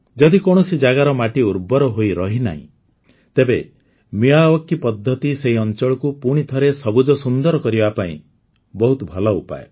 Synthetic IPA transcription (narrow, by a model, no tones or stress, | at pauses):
d͡ʒɔd̪ikoɽ̃ɔsid͡ʒaɡaɾɔmaʈiuɾbɔɾɔɦoiɾɔɦina̰ɦḭ̃ | t̪ebe | miaɔkːipɔd̪ʱːɔt̪iseɦiɔnt͡ʃɔɭɔkupuɽ̃it̪ʰɔɾesɔbud͡ʒɔsund̪ɔɾɔkɔɾibapaḭ̃ | bɔɦut̪ɔbʱɔlɔupa̰e